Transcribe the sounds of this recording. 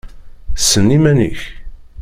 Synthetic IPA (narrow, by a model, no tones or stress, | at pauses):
sːənːimænḭç